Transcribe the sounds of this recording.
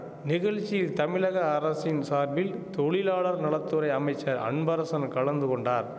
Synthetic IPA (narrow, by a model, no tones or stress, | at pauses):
nɪɣɐɻt͡ʃːɪjɪlt̪ɐmɪlɐɣɐːɾɐsɪnsaːɾbɪlt̪ɔɻɪlaːɭɐɾnɐɭɐt̪ːɯɾɐɪɐmɐɪt͡ʃːɐɾɐ̰ɳbɐɾɐsɐnkɐɭɐnd̪ɯkɔɳɖaːɾ